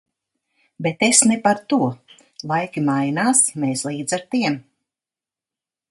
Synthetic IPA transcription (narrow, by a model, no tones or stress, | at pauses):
bet̪esnɛpaɾt̪uɔ | lˠajkʲimajnaːsmeːslˠiːd̪zaɾt̪iɛm